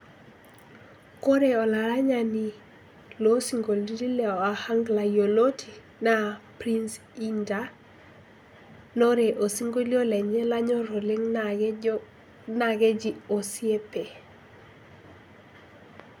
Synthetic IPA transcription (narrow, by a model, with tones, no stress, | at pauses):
ko˦ɾe˦ɔ˨la˨ɾa˦ɲa˨ni˨ | lo˦si˨ŋɡo˨ldi˦di˦lɛ˨ɔ˨a˨ha˦ŋɡla˨jo˨lo˦tʰi˨ | na˦pɾi˦ns | i˦nda˨ | no˦ɾe˨ʔo˨si˦ŋɡo˦li˦o˦lɛ˨ɲe˦la˦ɲɔ˦ɾo˨le˦ŋ | na˨ɡɛ˦d͡ʒi˦o˨si˦e˦pe˨